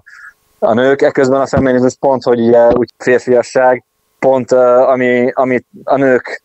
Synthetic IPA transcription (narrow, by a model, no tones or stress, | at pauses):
ɒ̰nøːkɛkøzbɛnɒfɛmːinizuʃpo̞nt̪ho̞ɟuɟɛucfeːrfijɒʃːaːɡ | po̞nt̪ːɒmiɒmiɒnøːk